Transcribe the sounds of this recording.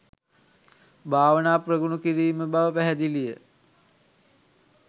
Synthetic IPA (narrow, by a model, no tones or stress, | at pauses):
bʱaːʋənaːprəɡunukiɾiːməbaʋəpæɦæd̪ilijə